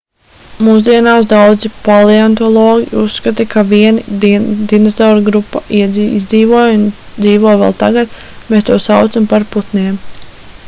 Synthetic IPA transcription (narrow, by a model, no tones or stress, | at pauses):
muːs̬d̪iɛnaːsd̪awd̪zipalˠiant̪ɔlˠɔːɡʲiusːkat̪akʰaviɛnid̪inasɔːɾɡɾupːaʔiɛzḭzd̪ziːvuɔjun | d̪ziːvɔjvɛ̰ːlˠt̪aɡat̪ | meːst̪uɔsawt̪sampaɾput̪neːm